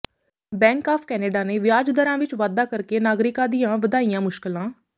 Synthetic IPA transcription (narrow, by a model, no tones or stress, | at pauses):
bɛ̃ːŋkaːpʰkɛːneːɖaːneːʋɪjaːd͡ʒd̪əɾãːʋɪt͡ʃʋaːd̪aːkəɾkeːnaːɡɾɪkãːd̪ɪjãːʋəd̪aːijãːmʊʃkɪlãː